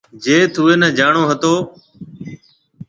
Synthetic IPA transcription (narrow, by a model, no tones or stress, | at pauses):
d͡ʒeːt̪ʰʊːeːnəːd͡ʒaːɳoːɦət̪oː